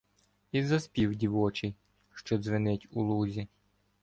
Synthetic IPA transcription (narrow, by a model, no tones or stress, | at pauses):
izɐspʲiwdʲiʋɔt͡ʃɪj | ʃt͡ʃɔzʋɪnɪtʲulˠuzʲi